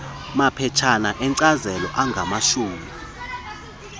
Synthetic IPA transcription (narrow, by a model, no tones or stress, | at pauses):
mapʰɛt͡ʃʰanaʔɛnǀazɛlɔʔaŋɡʱamaʃuːmi